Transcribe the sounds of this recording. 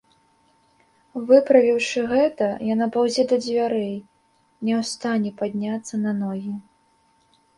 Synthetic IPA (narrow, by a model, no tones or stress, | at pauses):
vɨpɾɐvʲiwʂɨɣɛt̪ɐjanapawzʲɛd̪ɐd͡zʲvʲaɾɛj | nʲɛwst̪anʲɛpad̪ʲnʲat̪sːɐnɐnɔɣʲi